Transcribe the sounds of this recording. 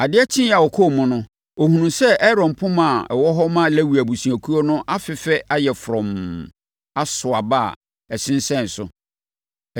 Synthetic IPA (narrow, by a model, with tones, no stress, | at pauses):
a˨dɪ˦ɛ˦t͡ɕʰɪ̃˦ja˨ɔ˨kʰo˦˨mʊ̃˦nʊ̃˦ | o˨hũ˨nũ˨sɛ˦ʔɛ˦ɾɔ̃˨mpʰʊ̃˦mã˨ɛ˨wɔ˦ɦɔ˦mã˦˨læ˦wu˨æ˨bu˨sũ˨æ˨kʰu˦ɔ˦nʊ̃˦ʔa˦fɪ˨fɛ˦ʔa˦jɛ˨fɾɔ̃˨m | a˦sʊ˨a˨ba˦˨ | ɛ˨sɪ̃˦n˦sɛ̃˦˨n̩˨sʊ˨